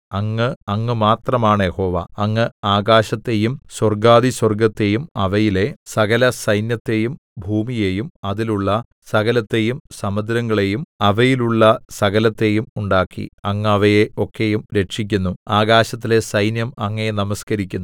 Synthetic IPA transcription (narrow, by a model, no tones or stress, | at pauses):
ɐŋːɨɐŋːɨmaːt̪rɐmaːɳɨjeho̞ːʋɐ̰ɐŋːɨaːɡaːɕɐt̪ːe̞jumswɐrɡaːðiswɐrɡɐt̪ːe̞jumɐʋɐjile̞sɐɣɐlɐsɐjnjɐt̪ːe̞jum | bʱuːmije̞ːjumɐðiluɭːɐ | sɐɣɐlɐt̪ːe̞jumsɐmɐd̪ɾɐŋːɐɭe̞jumɐʋɐjiluɭːɐsɐɣɐlɐt̪ːe̞jumuɳɖaːkːḭɐŋːɐʋɐje̞o̞kːe̞jumɾe̞ʈʂik̬ʲːunːuaːɣaːɕɐt̪ːile̞sɐjnjɐmɐŋːɐenɐmɐskɐɾikʲːunː